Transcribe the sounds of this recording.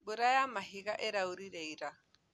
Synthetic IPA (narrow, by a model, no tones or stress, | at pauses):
bʊɾajamaɦiɣaʔɛɾauɾiɾɛiɾa